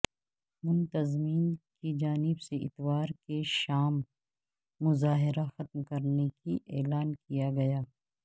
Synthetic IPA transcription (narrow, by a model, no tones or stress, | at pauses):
mʊnt̪ɐzmiːnkid͡ʒaːnɪbseʔɪ̰t̪waːɾkeʃaːmː | ʊzaːɦɪɾaxɐt̪mkɐɾnekiʔɛːlaːnkijaɡɐjaː